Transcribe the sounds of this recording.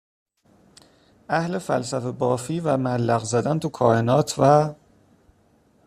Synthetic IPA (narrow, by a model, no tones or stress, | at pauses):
ʔæhle̞fælsæfebɒːfiːvæmælːæɣzæd̪ænt̪ʰukʰɒːenɒːt̪ʰvæ